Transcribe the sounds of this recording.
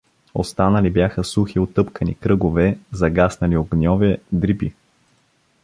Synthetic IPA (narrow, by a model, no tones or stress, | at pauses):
o̰st̪anəlibjaxəsuxiot̪ɤpkənḭkɾɤɡovɛzɐɡasnɐlioɡnʲɔvɛd̪ɾipi